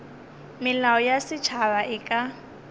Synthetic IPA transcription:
mɪlaɔjasɪt͡ʃʰaβaʔɪkʼa

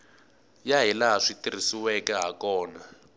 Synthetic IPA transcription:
jaɦilaɦaʂitir̤isiwɛkɛɦakɔːna

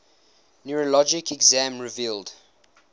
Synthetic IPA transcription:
njuɹəlɔd͡ʒɪkʰɛɡzãmɹɪvilˠd

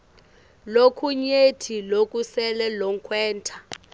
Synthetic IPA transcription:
lokʰuɲetʰilokʼusɛlɛlɔŋkʰwɛːntʰa

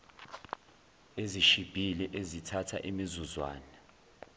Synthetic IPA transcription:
eziʃib̥ʱilɛʔezitʰatʰa̰ʔimizuzwa̰ːnɛ

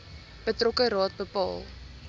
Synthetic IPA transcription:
b̥ətrɔkəɾɑːt̚bəpɑ̰ːlˠ

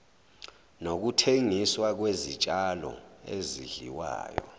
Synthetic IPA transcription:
nok̬utʰeŋiswak̬wezit͡ʃʼalɔ̰ḛziɮiwa̰ːjɔ̰

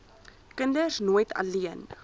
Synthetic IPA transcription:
kəndəsnuəjtʰɐ̰liən

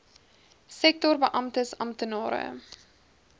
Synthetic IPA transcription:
sɛk̚tɔrbəʔɐmtəsɐmtənɑːɾə̰

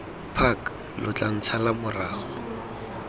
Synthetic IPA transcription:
pʰak | lʔʊt͡ɬʼan̩t͡sʰalamʊraːhɔ

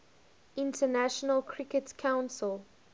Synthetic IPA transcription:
ʔɪ̃ntənaʃɔnəlkʰɹikətkʰãʊ̃nsəl

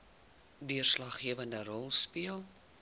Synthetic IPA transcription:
dyərslɐχːiəvəndəɾɔlˠspiəlˠ

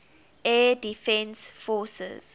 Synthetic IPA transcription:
ʔɛdifɛ̃nsfɔsɛ̰z̥

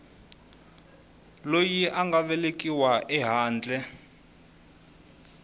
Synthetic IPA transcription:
lojiʔaŋɡaβɛlekʼiwaʔɛɦaːnd͡ɮɛ

